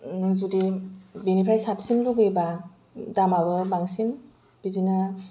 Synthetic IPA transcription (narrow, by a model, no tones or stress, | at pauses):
nɯzudibenipʰɾajsapsimluɡeba | damabɯbaŋsin | b̥idina